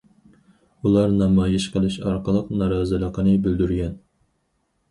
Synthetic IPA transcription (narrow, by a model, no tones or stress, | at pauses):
ulˠɑɾnɑmɑːjɪʃqʰəlˠɨʃɑɾqəlˠəqnɑɾɑːzɨlˠəqʰənɨbyld̪yɾɡʲɛn